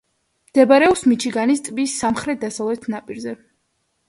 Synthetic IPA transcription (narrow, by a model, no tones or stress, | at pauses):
md̪̥ɛbaɾɛɔpsmit͡ʃʰiɡanist̪ʼbisːamχɾɛt̪̚ʰd̪asavlɛt̪ʰnapʼiɾzɛ